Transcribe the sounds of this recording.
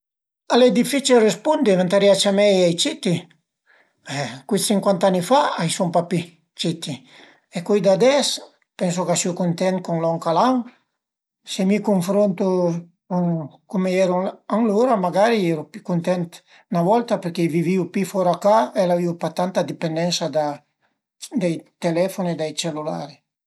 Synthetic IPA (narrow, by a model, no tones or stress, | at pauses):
alɛd̪ifit͡ʃilrespund̪ivant̪aɾjat͡ʃamɛjajt͡ʃit̪i | ɛkit̪iŋkwant̪anːifaajsumpapi | t͡ʃit̪i | ekɔjd̪ad̪ɛs | pɛns̬okasiokunt̪ɛnt̪̚kuŋlɔŋkalaŋ | semikuɱfɾont̪o | kuŋkomeɛɾuaŋloɾamaɡaɾiɛɾupikunt̪ɛnt̪ | navɔlt̪apeɾkeviviupifɔɾakaelaviupat̪ːant̪ad̪ipend̪ɛnsad̪a | d̪ajt̪elɛfoned̪ajt͡ʃelula̰ːɾi